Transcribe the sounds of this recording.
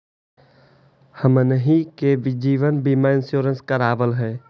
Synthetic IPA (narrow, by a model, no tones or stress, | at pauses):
həmnəɦĩkeʋɪd͡ʒiːʋənbimaɪ̃nsjoːɾənskəɾaːʋəlɦɛː